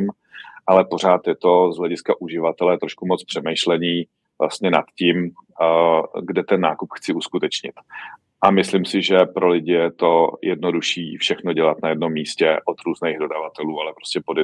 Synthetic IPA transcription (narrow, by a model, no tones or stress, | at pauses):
m | ʔalɛpo̞r̝aːt̪jɛt̪o̞zɦlɛɟɪskaʔuʒɪvat̪ɛlɛt̪ɾoʃkumo̞t͡spr̥ɛmɛjʃlɛɲiː | vla̰st̪ɲɛna̰t̪ciːm | ɡdɛt̪ɛnːaːkupxt͡sɪuskut̪ɛt͡ʃɲɪ̰t̪ | ʔamɪslɪmsɪʒɛpɾo̞lɪɟɪjɛt̪o̞jɛdno̞duʃiːfʃɛxno̞ɟɛlat̪najɛdno̞mːiːscɛʔo̞t̪ɾuːznɛjɣdo̞davat̪ɛluːalɛpɾoscɛpod